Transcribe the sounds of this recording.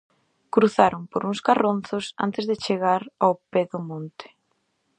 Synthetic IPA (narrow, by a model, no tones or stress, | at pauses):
kɾuθaɾompoɾuŋskaronθʊsa̰nt̪ɪzðɪt͡ʃeɣaɾawpeðʊmõnt̪ɪ̥